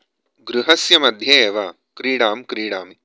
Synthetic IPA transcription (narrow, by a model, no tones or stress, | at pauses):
ɡɾuɦɐsjɐmɐd̪ʱjɐeːʋa | kɾiːɽaːmkɾiːɽaːmi